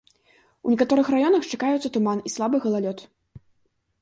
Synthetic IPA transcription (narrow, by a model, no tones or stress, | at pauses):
unʲikat̪ɔɾɨxrajɔnɐxt͡ʂakajut̪sɐt̪umanislˠabɨɣɐlˠalʲɔt̪